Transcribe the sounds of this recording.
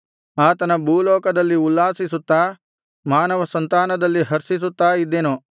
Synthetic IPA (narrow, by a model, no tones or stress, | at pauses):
aːt̪ɐnɐbʱuːlɔːkɐd̪ɐlːiulːaːsisut̪ːaː | maːnɐʋɐsɐnt̪aːnɐd̪ɐlːiɦɐɾsis̬ut̪ːaːid̪ːeːnu